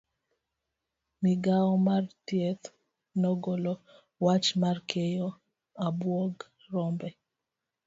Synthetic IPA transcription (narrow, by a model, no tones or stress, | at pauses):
miɡaɔmartjet̪ | nɔɡɔlɔ | wat͡ʃmarkʰejɔ | abwɔɡ | rɔmbɛ